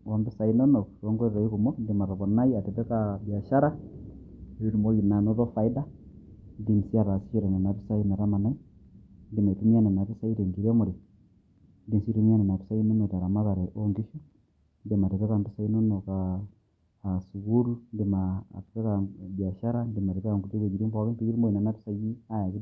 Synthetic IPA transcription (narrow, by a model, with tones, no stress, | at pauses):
wa˨mbi˦sa˨i˦nɔ˦nɔ˨ɾɔ˦ŋɡɔ˦ɾiɾa˨i˦ɣu˨mɔ˦ndima˨ɾɔ˨βɔ˨na˦ia˨tɛ˨βɛ˦kabja˨ʃa˦ɾa˦ | i˦ɾu˨mo˦ji˨na˨nɔ˦ðɔ˦fa˨i˦da˦ | ndi˦n˨si˦a˦ɾa˨si˦ʃiɾɛ˨nɛ˨na˨βi˦sa˦i˦nɛ˨ɾa˦ma˨na˦i˦ndi˦ma˨tu˦mia˦nɛ˨na˨βi˦sa˦i˦ɾe˨ŋɡi˨ɾɛ˦mu˨ɾi˨ | ndi˨nsi˦ɾu˦m˦a˦nɛ˨na˨pi˦sa˦ji˦nɔ˦nɔ˨ta˨ɾa˨ma˦βa˨ɾɛ˨ʔɔ˦ŋɡi˦ʃu˦ | ndi˨ma˨tɛ˨βɛ˦ka˨mpi˦sa˦ji˦no˦nɔ˨kaː˨ | su˨ɣu˦ɾu˦ndi˨ma̰˨tɛ˦ka˨bja˨ʃa˦ɾa˦ndi˨ma˨ɾɛ˨βa˨ŋɡu˨te˦βe˨ɡi˨ɾi˦mbɔ˨a˨kɛ˦mpi˦i˦ɾi˦mo˦ji˨na˨na˦pi˦sa˦ji˦a˦ja˨ki˦